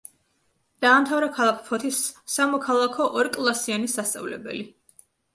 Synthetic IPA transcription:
d̪̥aːmt̪ʰavɾɛkʰalˠakʰpʰɔt̪ʰisːamɔkʰalˠakʰɔʔɔɾkʼlˠasianisast̪sʼa̰vlɛ̰bɛ̰li

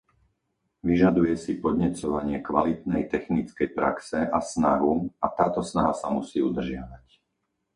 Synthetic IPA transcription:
ʋiʒad̪ujɛsipɔd̪ɲɛt͡sɔʋaɲɪɛkʋa̰lit̪̚nɛjt̪ɛxnit͡skɛjpɾa̰ksɛasna̰ɦuat̪aːt̪ɔsnaɦasamusiːud̪r̩ʒɪaʋac

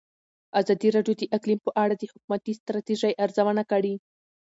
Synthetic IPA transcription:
azɑd̪iɾɑɖjod̪əʔɪklimpəʔaɽad̪əhʊk̚umat̪ist̪ɾɑt̪iʒajʔaɾzawanakaɽi

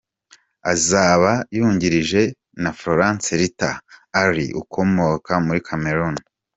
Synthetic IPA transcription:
azaːβajuːɲɟiɾiʒe̞ | nafɾoɾãːnseɾita̰ːɾḭʔṵkʰo̞mo̞kamuɾikʰame̞ɾun

